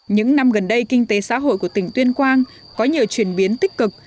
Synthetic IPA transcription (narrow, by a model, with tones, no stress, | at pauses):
ɲɨ̰˧˥ŋna˧mɣə˨˩nɗə˧jkï˧ŋ̟t̪e˨˦sa̰ː˧˥ɦo̰˧˨jku˧˩ət̪ï˨˩ŋ̟t̪wi˧ənkwaː˧n | kɔ˨˦ɲi˨˩əwt͡ɕwi˧˩ənɓi˨˦ənt̪i˦˥k̚kɨ˨˩k̚